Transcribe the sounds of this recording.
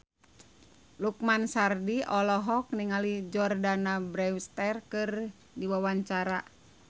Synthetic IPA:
luk̚mansardiɔlɔɦɔk̚niŋalid͡ʒɔrdanabɾɛwst̪ɛrkɨr | diwawaɲt͡ʃaɾa

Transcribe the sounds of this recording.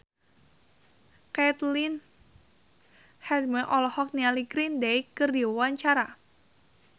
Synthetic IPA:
kat̪lin | hɛd̪məʔɔlɔhɔk̚nialiɡɾindeikərdiwawaɲt͡ʃaɾa

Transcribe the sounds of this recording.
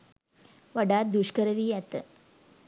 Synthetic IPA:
ʋɐɖaːd̪uʂkɐɾɐʋijɐt̪ɨ

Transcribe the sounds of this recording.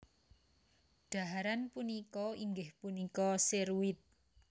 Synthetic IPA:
ɖ̥a̤ɦaɾanpunikɔiŋɡɪhpunikɔsiɾwɪt̪̚

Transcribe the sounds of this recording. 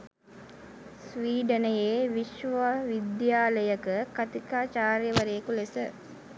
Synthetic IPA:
sʋiːɖ̪ənəjeːʋiʃʋaʋid̪jaːləjəkəkɐt̪ikaːt͡ʃaːɾjəʋəɾeːkulesə

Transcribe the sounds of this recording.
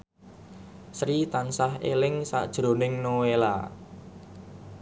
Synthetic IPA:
sɾit̪ansaɦelɪŋsa̰ʔd̥ʒ̥ɾo̤nɪŋnowela̰

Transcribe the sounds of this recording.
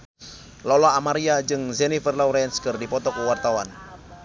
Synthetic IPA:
lɔlaamaɾiad͡ʒɨŋzɛnifərlawɾɛnskɨrdipɔt̪ɔkuwart̪awan

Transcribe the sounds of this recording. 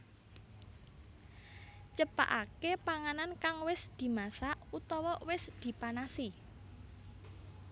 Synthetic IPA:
t͡ʃəpa̰ʔa̰kepaŋanankaŋwɪsd̪̥i̤masaʔut̪ɔwɔwɪsd̪̥i̤panasi

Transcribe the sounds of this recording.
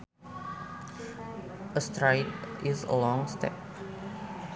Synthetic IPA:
ʔəstɹaɪtʔizə̰lɔ̃ŋstɛ̰p̚

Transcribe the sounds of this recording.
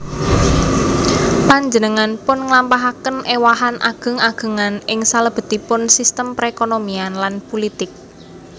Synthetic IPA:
paɲd͡ʒənəŋanpʊnŋlampaɦakənʔewaɦanʔa̰ɡ̥ə̤ŋaɡ̥ə̤ŋanʔɪŋsaləb̥ə̤t̪ipʊnsist̪əmpɾekonomianlanpulit̪ɪk̚

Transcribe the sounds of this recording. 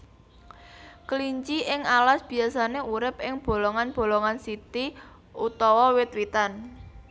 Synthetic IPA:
kəliɲt͡ʃiʔɪŋalasb̥i̤asaneuɾɪp̚ɪŋb̥o̤loŋanb̥o̤loŋansit̪i | ut̪ɔwɔwɪt̪̚wit̪an

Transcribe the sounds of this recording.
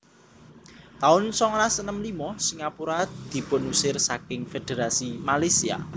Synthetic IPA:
t̪aʊnsɔŋɾasənəmlimɔsiŋapuɾad̪̥i̤ponusɪrsakɪŋfed̪̥eɾasimalasia̰

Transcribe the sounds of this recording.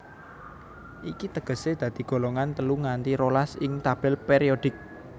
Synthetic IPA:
ʔikit̪əɡ̥ə̤sed̪̥a̤d̪̥i̤ɡ̥o̤loŋant̪əluŋant̪iɾolasɪŋt̪ab̥ɛlpeɾiod̪̥ɪ̤k̚

